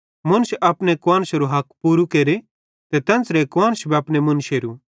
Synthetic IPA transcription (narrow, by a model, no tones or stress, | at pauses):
mʊ̃nsɐpnekwãːnsɾuɦɐkpuːɾukeːɾe | t̪ɛt̪ɐ̃nsɾekwãːnsbʱiɐpnemʊnʃeːɾu